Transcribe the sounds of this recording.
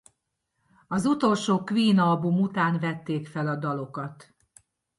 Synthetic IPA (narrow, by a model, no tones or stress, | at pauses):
ɒzut̪o̞lʃoːkʋiːnɒlbumut̪aːnvɛt̪ːeːkfɛlɒd̪ɒlo̞kɒt̪